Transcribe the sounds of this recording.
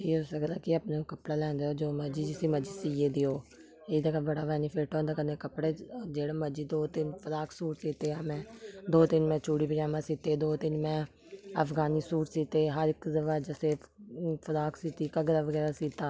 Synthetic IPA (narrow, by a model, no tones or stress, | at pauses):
ʈʰiːoːsəkd̪aːkɪəpneːkəpɽaːlɛ̃ːnd̪eoːd͡ʒoːməd͡ʒiːd͡ʒɪsiːməd͡ʒiːsiːeːd̪iːɦoː | ed̪akaːbəɽaːʋɛːnɪfʰeːʈɦɔ̃ːnd̪aːkəneːkəpɽeːd͡ʒeːɽaːməd͡ʒiːd̪oːt̪ɪnfʰəɾaːksuːʈsiːt̪eːaːmɛ̃ːd̪oːt̪ɪnmɛ̃ːt͡ʃuːɽiːpɪd͡ʒaːmãːsiːt̪eːd̪oːt̪ɪnmɛ̃ː | əfɡaːniːsuːʈsiːt̪eːɦəɾɪkzəʋaːd͡ʒəsefʰəɾaːksiːt̪iːkaɡəɾaːʋəɡɛːɾaːsiːt̪aː